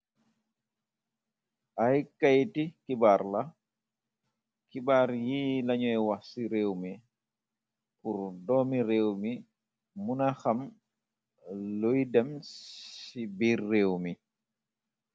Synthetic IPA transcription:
ʔajkajtikibaɾla | kibaɾjilaɲɔɛwasiɾewmi | puɾdɔmiɾewmi | munaxam | lojdamsibiɾːewmi

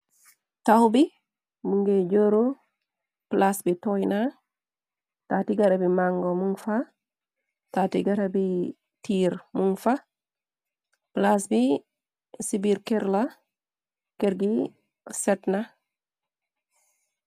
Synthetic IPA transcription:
tawbi | muŋɡeɟoɾo | plasbitojna | tatiɡaɾabimaŋɡomuŋfa | tatiɡaɾabi | tiːɾmuŋfa | plasbi | sibiɾkeɾla | keɾɡi | setna

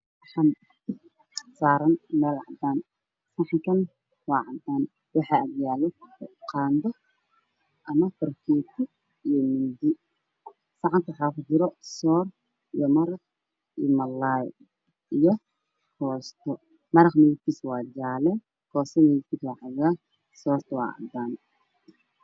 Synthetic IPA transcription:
wħɑm | saːɾɐnmɛːlʕɑ̰d̪aːn | sɑħŋkʰɐn | wɑːʕant̪ʰaːn | wɑħɑːɐɡjaːlɛqɑːnd̪ɔ | ʔɐmɐfɐɾkʰɛːt̪ʰu | ijɔmɪnd̪ɪ | sɑʕɑnt̪ʰwħaːkʊd͡ʒɪɾɔsɔːr | ijɔmɐɾɐq | ḭmɐlːaj | ʔijɔ | hʰɔːst̪ʰɔ | mɐɾɐqmɪjɪk̪ʰiːswɑːd͡ʒaːlɛ | kʰɔːsɛmɪjɪkʰiːswɑːħaɣaː | sɔːrt̪ʰɐwɑ̰ːʕa̰nd̪aːn

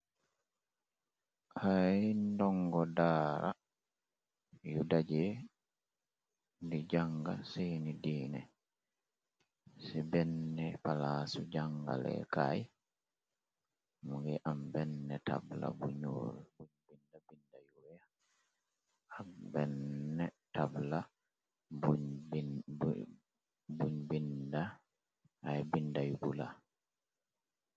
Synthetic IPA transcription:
haindɔŋɡɔdaːɾa̰ | judad͡ʒɛ | ndid͡ʒaŋɡasenidiːnɛ | sibɛnːdɛpalasud͡ʒaŋɡa̰lɛ̰kaj | muɡɛʔambɛnːɛtʰa̰bla̰buɲo̰lbuɲbindabindajuɛja | ak̚bɛnːɛtabla | b | buɲbinda | ajbindajubula

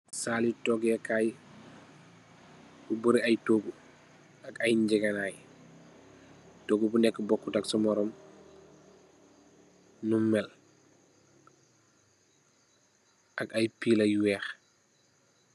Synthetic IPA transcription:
saːlitɔɡɛkaj | bubuɾiɐjtoːɡu | ɐkajɲd͡ʒɛɡɐnaːj | toɡubunɛkːəbɔkːutaksɔmɔɾɔm | numːɛl | ʔɐkajpilɐjwɛːx

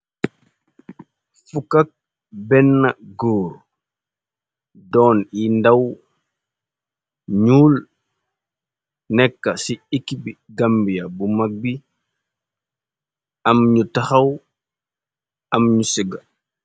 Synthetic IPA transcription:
fukɐk̚ | bɛnːɐɡoːɾ | dɔːnindɐw | ɲuːl | nɛkːɐsiikːibiɡambijabumak̚bi | ɐmɲutɐxɐw | ɐmɲusiɡa

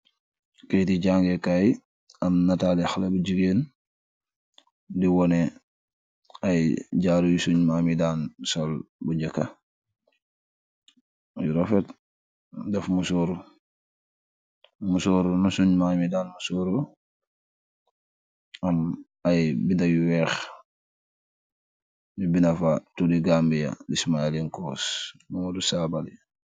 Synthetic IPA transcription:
kejtiɟaːŋɡekaj | ɐmnatalixlebuɟiɡeːn | diwɔnɛ | ajɟaːɾujusuɲmaːmidaːnsɔlbuɲɟɛkːa | juɾɔfɛt | dɛfmusɔɾu | musɔɾunusuɲmamidaːnmusoɾu | am | ajbindajuwɛːx | bibinafatudiɡambija̰dismailiŋkɔsmuŋudusabal

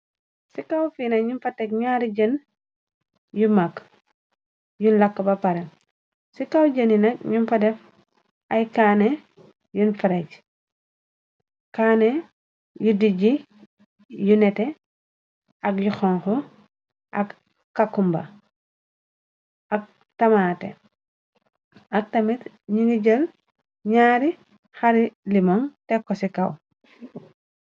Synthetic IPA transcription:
sikawfiːnɐɲimfɐtɛk̚ɲaːɾiɟən | jumak | junlɐkːɐbɐpɐɾɛn | sikawɟəninɐk̚ɲumfɐdɛf | ʔɐjkaːnɛ | junfiɾaɟ | kaːne | judiɟi | junɛtɛ | ʔɐk̚juxɔŋxɔ | ʔɐk | kːakːumbɐ̰ | ʔɐk̚ | tɐmaːtɛ̰ | ʔɐk̚tɐmit | ɲiŋɡiɟɐl | ɲaːɾi | xɐɾilimɔŋtɛkːɔsikɐw

